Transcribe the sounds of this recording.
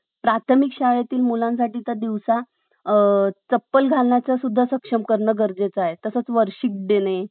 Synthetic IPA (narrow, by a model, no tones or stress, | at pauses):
pɾat̪ʰəmikɕaɭjat̪iːlmulãns̬aʈiːt̪ad̪iʋsa | t͡səpːəlɡʱalnjat͡sasud̪ʱːasəkʂəmkəɾɳəɡəɾd͡zet͡saɦet̪əsət͡sʋəɾɕik̚d̪enej